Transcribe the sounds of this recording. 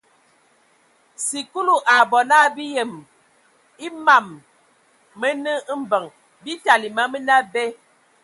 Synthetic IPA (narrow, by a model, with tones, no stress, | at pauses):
si˨ku˦lu˦˨ʔa˨bɔ˨na˦bi˦jə˨m | i˦ma˨mː | ə˦nə˦m̩˦bə˨ŋ | bi˦ta˨li˨ma˦mə˦na˦bɛ˦